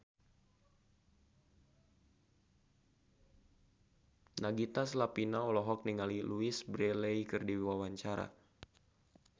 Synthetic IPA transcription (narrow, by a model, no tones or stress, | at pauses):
naɡit̪aslapinaɔlɔɦɔk̚niŋaliluisbɾɛleikɨrdiwawaɲt͡ʃaɾa̰